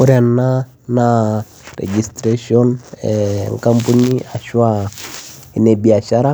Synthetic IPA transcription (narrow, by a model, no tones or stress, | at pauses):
uɾana | na | ɾɛ̰d͡ʒistɾeʃiɔnɛŋkampuniaʃwa | nɛbiaʃaɾa